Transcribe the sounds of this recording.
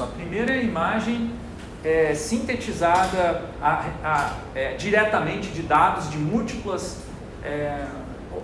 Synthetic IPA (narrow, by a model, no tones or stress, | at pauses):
ɐpɾimejɾɐimaʒẽj̃ | ɛsĩnt̪et͡ʃizad̪ɐaaɛd͡ʒiɾɛt̪ɐmẽnt͡ʃɪd͡ʒɪd̪ad̪ʊzd͡ʒɪmuwt͡ʃiplɐs | ɛ